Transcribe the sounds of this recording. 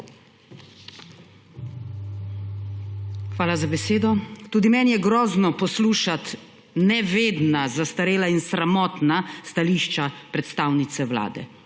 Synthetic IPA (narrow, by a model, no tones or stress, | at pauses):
xʋaːlazabɛseːd̪ɔt̪uːd̪imɛːnjɛɡɾɔːznɔpɔsluːʃat̪ | nɛʋeːd̪nazast̪aɾeːlainsɾamɔːt̪nast̪aliːʃt͡ʃapɾɛt̪st̪aːwnit̪sɛwla̰ːd̪ɛ̰